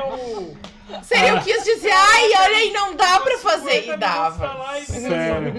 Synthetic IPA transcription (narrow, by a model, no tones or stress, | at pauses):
seɾieʊkɪisd͡ʒiziajɔʎɐɪnɐ̃w̃d̪apɾɐfazeɪd̪avɐ